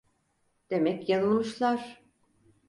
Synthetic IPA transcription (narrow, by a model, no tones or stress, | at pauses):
d̪̥e̞mɛcjanɯlˠmɯʃlˠaɾ̥